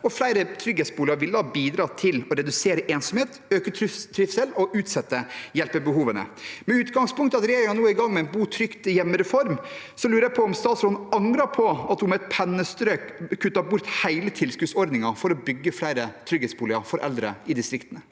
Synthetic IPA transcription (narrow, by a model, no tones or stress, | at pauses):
ɔflæɪɾət̪ʰɾʏɡeːt̪sbuːlɪɑɾʋɪlːd̪ɑːbiːd̪ɾɑːt̪ʰɪlɔɾɛd̪ʉseːɾəʔeːnsɔmheːt̪øːkət̪ʰt̪ʰɾɪfsɛlɔʔʉːt̪sɛt̪ːəjɛlpəbəɦuːʋənə̰mɛʉːt̪ɡɑŋspʰʊŋkt̪əɑt̪ɾeːɾɪŋɑnuːəɪɡɑŋmɛɛnbuːt̪ʰɾʏkt̪ɪjɛmːəɾɛfɔɾm | sɔlʉːɾəjæɪpʰɔɔmst̪ɑːt̪sɾɔnɑŋɾɑpʰɔɑt̪hʊmɛt̪̚pʰɛnːəst̪ɾøːkːʰʉt̪ʰːɑːbʊɾt̪hæɪlət̪ʰɪlskʉːsɔɾd̪nɪŋɑfɔɾɔbʏɡːəflæɪɾət̪ʰɾʏɡeːt̪sbuːlɪɑfɔɾʔɛ̰ld̪ɾə̰ɪd̪ɪst̪ɾɪkt̪ənə